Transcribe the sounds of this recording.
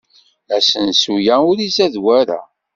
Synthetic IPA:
æsənsujæʊɾizæðwæɾæ̰

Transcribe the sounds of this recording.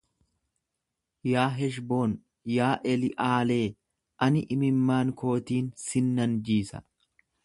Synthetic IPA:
jaːɦɛʃ̬bo̞ːn | jaːʔɛlɪʔaːle̞ː | ʔɐnɪʔɪmɪmːaːŋko̞ːt̪iːnsɪnːɐnd͡ʒiːsɐ̰

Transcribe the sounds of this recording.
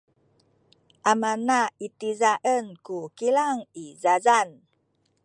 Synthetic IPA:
ʔamanait̪izaʔənkukilaŋizazan

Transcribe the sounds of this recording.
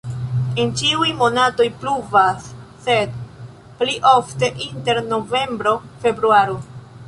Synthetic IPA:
ent͡ʃiujmo̞nato̞jpluvasː | e̞d | pliʔo̞fte̞ʔinte̞ɾno̞ve̞mbɾo̞fe̞bɾuaɾo

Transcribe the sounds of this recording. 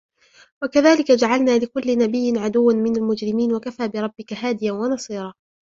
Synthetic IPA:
wakaðaːlɪkad͡ʒaʕalnaːlɪkʊlːɪnabɪjːɪnʕad̪ʊwːanmɪnalmʊd͡ʒɾɪmiːnwakafaːbɪɾˤɑbːɪkaɦaːd̪ɪjanwɑnɑsˤiːɾˤɑː

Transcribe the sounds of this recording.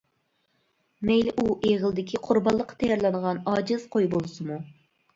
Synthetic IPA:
mɛjlɪʔuʔeʁəlˠɨd̪ɪkʲʰiqʰʊɾbɑlˠːəqʰːɑ̥t̪ʰɛjɑɾlˠɑnəʁɑnɑːd͡ʒɪz̥qʰojbolˠɨsɨmu

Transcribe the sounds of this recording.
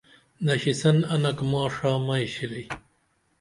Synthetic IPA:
nɐɕisɐnɐnɐkmaːʂaːmɐjɕili

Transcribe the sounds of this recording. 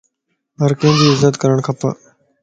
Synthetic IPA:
ɦəɾkẽːd̪iːɪzət̪kəɾəɳ̃kʰəpa̰ː

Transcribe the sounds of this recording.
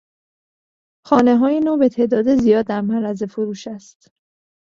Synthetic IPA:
xɒːne̞ɦɒːjenoːbe̞t̪ʰe̞ːʔd̪ɒːd̪ezijɒːd̪ːæɾmæɾæze̞foɾuːʃæst̪

